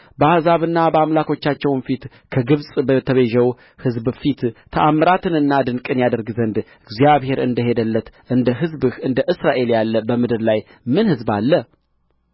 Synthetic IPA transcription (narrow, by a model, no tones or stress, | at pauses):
bəahzaβɨnːabəamlakʰo̞t͡ʃːat͡ʃːɛwnfit̪ | kʰəɡɨβsʼbət̪ʰəβeʒɛw | hɨzbfit̪t̪ʰəʔamːɾat̪ɨnɨnːad̪ɨnkʼɨnjad̪əɾɡzənd̪ | ɨɡzijaβhe̞ɾɨ̰nd̪əɦe̞d̪əlːət̪ʔɨnd̪əɦɨzbɨhɨnd̪əʔɨsɾaʔe̞ljalːəbəmɨd̪ɨɾlaj | mɨnhɨzba̰lːə